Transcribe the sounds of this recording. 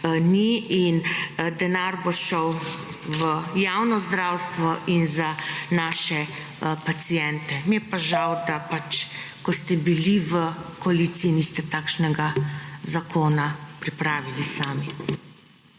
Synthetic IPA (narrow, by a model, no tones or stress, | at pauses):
niind̪ɛnaɾbɔʃɔw | ʋəjaːwnɔzd̪ɾaːwst̪ʋɔʔinzanaːʃɛ | pat̪sijɛnt̪ɛmiɛpaʒawd̪apat͡ʃ | kɔst̪ɛbiliʋəkɔaliːt̪siːnist̪ɛt̪aːkʃnɛɡazakʰoːnapɾipɾaːʋilisaːmi